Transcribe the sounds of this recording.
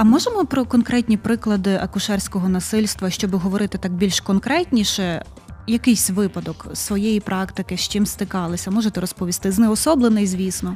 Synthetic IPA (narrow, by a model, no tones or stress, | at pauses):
ɐmɔʒemɔpɾɔkɔnkɾɛt̚ʲnʲipɾɪklˠɐd̪ɪʔɐkʊʃɛrsʲkɔɦɔnɐsɪlʲst̪ʋɐʃt͡ʃɔbɪɦɔʋɔɾɪt̪ɪt̪ɑɡ̚bʲilʲʃkɔnkɾɛtʲnʲiʃɛ | jɐkɪjsʲʋɪpɐd̪ɔksʋɔjɛjipɾɑkt̪ɪkɪʃt͡ʃɪmst̪ɪkɑlˠɪsʲɐmɔʒet̪ɛɾɔspɔʋʲist̪ɪznɛɔsɔblˠenɛizʲʋʲisnɔ